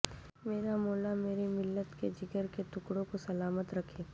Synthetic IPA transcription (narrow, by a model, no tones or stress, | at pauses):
meːɾamoːlameːɾimɪlːət̪ked͡ʒɪɡəɾket̪ʊkɽõkosɐlaːmət̪ɾɐkʰeː